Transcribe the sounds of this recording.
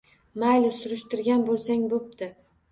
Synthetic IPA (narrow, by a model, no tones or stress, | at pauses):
majlɪsʊɾʊʃt̪ɪɾɡʲanbolˠsaŋbop̚d̪ɪ